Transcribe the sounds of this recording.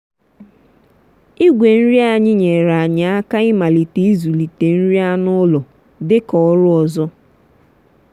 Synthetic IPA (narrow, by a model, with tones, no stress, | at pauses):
i˦ɡʷe˨n̩˦ɾi˦a˨ɲɪ˦ɲe˨ɾa˨a˨ɲa˨a˦ka˦ɪ˦ma˨li˨te˨i˦zu˨li˨te˨n̩˦ɾi˦a˦nʊ˦lɔ˨ | dɪ˦kɔ˨ɔ˦ɾʊ˦ɔ˨zɔ˦